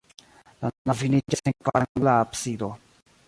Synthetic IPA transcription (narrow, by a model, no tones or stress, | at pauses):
lanavinid͡ʒaseŋkvaɾaŋɡlaːpsid̪o